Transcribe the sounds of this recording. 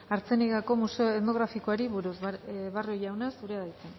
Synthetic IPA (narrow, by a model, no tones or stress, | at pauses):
aɾt͡se̞niɣako̞museoeno̞ɣ̞ɾafikoaɾiβuɾusβarojawnasuɾeaðajt͡sen